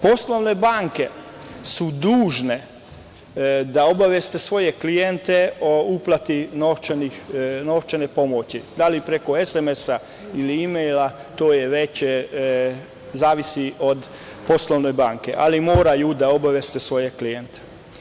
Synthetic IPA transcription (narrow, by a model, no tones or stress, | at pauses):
po̞slˠoʋnebaːŋke̞ | sud̪uːʒne̞ | d̪ao̞baʋjest̪e̞sʋo̞jeklijent̪eouplˠat̪inoft͡ʃenixnoft͡ʃenepo̞mot͡ɕid̪alipɾeko̞esemesa | iliimejlat̪oːjeʋe̞t͡ɕ | zaːʋisiʔo̞d̪ | po̞slˠoʋne̞jbaːŋkeʔalimoːɾajud̪ao̞baʋjest̪esʋo̞jeklijent̪e̥